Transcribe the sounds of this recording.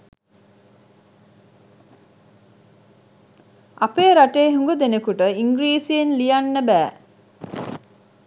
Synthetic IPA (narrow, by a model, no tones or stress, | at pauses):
apeːɾaʈeːɦuŋɡud̪enekuʈəiŋɡɾiːsienlijanːəbæː